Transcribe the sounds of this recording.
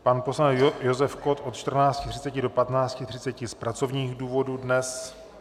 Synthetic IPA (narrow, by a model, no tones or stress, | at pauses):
panposlajozɛfkot̪o̞t̪t͡ʃt̪r̩naːt͡scɪt̪r̥ɪ̥t͡sɛcɪdo̞pat̪naːt͡scɪt̪r̝̥ɪt͡sɛcɪspɾat͡so̞vɲiːɣduːvo̞dudnɛs